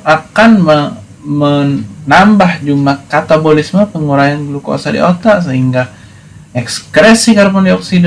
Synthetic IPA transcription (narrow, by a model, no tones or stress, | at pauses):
ʔakanmə | mənambahd͡ʒumakat̪abolisməpəŋuɾajanɡlukoa̰sadḭʔot̪aʔs̬əɦiŋɡa | ʔɛkskɾɛsikaɾpɔndiɔksid